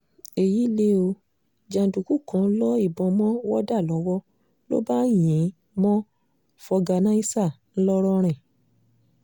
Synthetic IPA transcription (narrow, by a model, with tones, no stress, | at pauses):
e˨ji˨˦le˦o˧ | d͡ʒã˨du˨ku˦kã˨˧˦lɔ˦i˦˨bɔ̃˧mɔ̃˦wɔ˦da˦˨lɔ˨˦wɔ˦ | lo̰˦ba˦˨j̃ẽ˨˦ | mɔ̃˦ | fɔ˧ɡa˧nã˦i˦sa˦˨ | n̩˦lɔ˦ɾɔ˦ɾ̃ɛ̃˨